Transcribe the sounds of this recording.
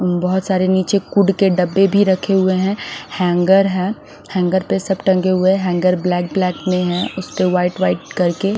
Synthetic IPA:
bɐɦʊt̪saːɾeniːt͡ʃekʊɖkeɖɐbːebʱiɾɐkʰeɦʊeɦɛ̃hɛ̃ːŋɡəɾɦɛ̃ː | hɛ̃ːŋɡəɾpesɐbʈɐ̃ŋɡeɦʊeɦɛɦɛ̃ːŋɡəɾblɛːk̚blɛːkmẽɦɛ̃ʔʊspeʋaːɪʈʋaːɪʈkɐɾke

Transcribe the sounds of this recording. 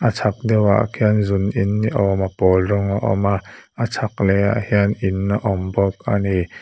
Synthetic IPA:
ʔat͡sʰak̚dɛwa̰ʔkʰianzunʔinːiʔɔmapɔːlrɔŋaʔɔ̰maʔat͡sʰak̚lɛaʔhiənʔinːaʔɔmbɔk̚ani

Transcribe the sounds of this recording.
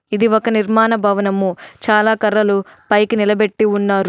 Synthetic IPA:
id̪iɔkɐniɾmaːnɐbʱɐʋɐnɐmːut͡ʃaːlaːkɐɾːɐlupɐjkinilɐbeʈːiunːaːɾu

